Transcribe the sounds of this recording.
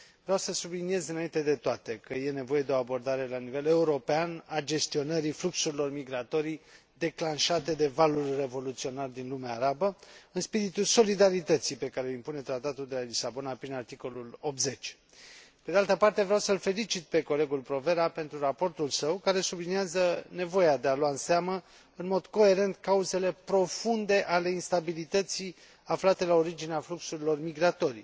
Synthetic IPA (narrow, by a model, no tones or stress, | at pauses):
vɾeawsəsublinije̞zɨnaint̪ed̪e̞t̪oat̪e̞kəje̞ne̞vo̞je̞d̪eo̞abo̞rd̪aɾe̞lanive̞le̞uɾo̞peanad͡ʒe̞st̪io̞nəɾifluksuɾilo̞rmiɡɾat̪o̞ɾi | d̪e̞klanʃat̪e̞d̪e̞valurʲre̞vo̞lut̪sio̞nard̪inlumeaːɾabəɨnspiɾit̪ulso̞lid̪aɾit̪ət̪sijpe̞kaɾeimpune̞t̪ɾat̪at̪uld̪elalisabo̞napɾinart̪iko̞lulo̞p̚t̪ze̞t͡ʃʲ | pe̞d̪ealt̪əpart̪e̞vɾeawsəlfe̞lit͡ʃit̪̚pe̞ko̞le̞ɡulpɾo̞ve̞ɾape̞nt̪ɾurapo̞rt̪ulsəwkaɾe̞subliniazəne̞vo̞jad̪e̞alwaɨnseamə | ɨnmo̞d̪ko̞e̞ɾe̞nt̪kauze̞le̞pɾo̞fund̪e̞ʔale̞inst̪abilit̪ət̪si | aflat̪e̞lao̞ɾid͡ʒineafluksuɾilo̞rmiɡɾat̪o̞ɾḭ